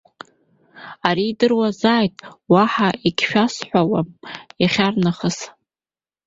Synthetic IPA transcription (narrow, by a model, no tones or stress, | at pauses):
aɾiːdɨrwazaːjtʼwaħaʔikʲʰʃᶣasħʷᶣawamjaχʲarnaχəs